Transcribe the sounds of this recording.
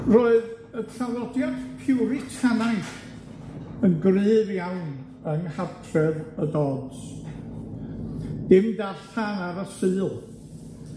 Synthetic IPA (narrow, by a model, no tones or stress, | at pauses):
roːɨð | ətʰrawlˠɔdjɔdpʰɪwɾɪtʰanajθ | ənɡrɨːvjawn | ənhatʰrɛðədɔːds | ɪmdaɬtʰanaɾəsɨːlˠ